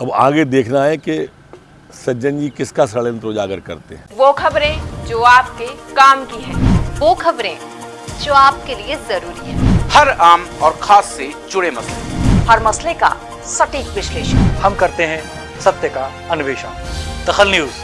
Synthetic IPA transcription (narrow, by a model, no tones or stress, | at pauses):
ɐba̰ːɡed̪eːkʰnaɦɛke | sɐd͡ʒə̃nd͡ʒikɪskasɐɭənt̪ɾoːd͡ʒaːɡəɾkɐɾt̪ḛɦɛ̃ʋoːkʰɐbɾẽd͡ʒoːaːp̚kekaːmkiɦɛ̃ːʋoːkʰɐbɾẽ | d͡ʒoːaːpkeliezɐɾuːɾiɦɛ̰̃ːhɐɾaːmɔːɾxʰaːsːed͡ʒʊɽemɐslehɐɾmɐsleka̰ | sɐʈiːkʋɪʃleːʃənhɐmkɐɾt̪eɦɛ̃ | sɐt̪jəka | ɐnʋeːʃa | d̪̥ɐxəlnjuːz